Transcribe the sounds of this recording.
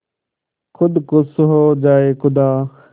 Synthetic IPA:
kʰʊd̪kʊsʊɦoːd͡ʒaːeːkʊd̪aː

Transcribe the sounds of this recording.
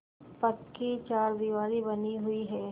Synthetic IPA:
pɐkkit͡ʃaːɾd̪iʋaːɾibɐniɦʊiɦɛː

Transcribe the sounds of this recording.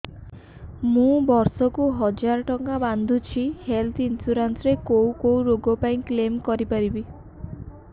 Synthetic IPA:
mũbɔɾsɔkuɦɔd͡ʒaɾɔʈɔŋaband̪ʱut͡ʃʰihelt̪ʰinsuɾansɾekowkowɾoɡɔpaĩklemkɔɾipaɾibi

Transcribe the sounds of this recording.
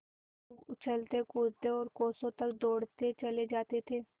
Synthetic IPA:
t͡ʃʰəlt̪ekʊɾt̪eɔːɾkoːsõːt̪əkd̪oːɽt̪et͡ʃəled͡ʒaːt̪et̪ʰeː

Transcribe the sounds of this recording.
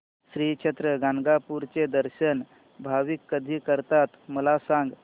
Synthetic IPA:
sɾit͡ʃʰet̪ɾəɡanɡapuɾt͡ʃed̪əɾʃən | bʱaʋikːəd̪ʱikəɾt̪at̪məlasãŋɡ

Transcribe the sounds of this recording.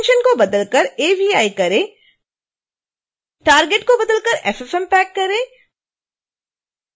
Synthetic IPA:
nʃənkobɐd̪əlkəɾeːʋiaːikɐɾẽː | ʈaːɾɡeʈkobɐd̪əlkəɾʔɛfɛfɛ̃mpɛːkːɐɾẽː

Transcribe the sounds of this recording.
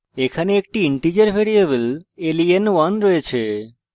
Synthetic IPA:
ekʰaneek̚ʈiiɳʈid͡ʑaɾbʱeɾiebelelienwanɾɔjet͡ɕʰe

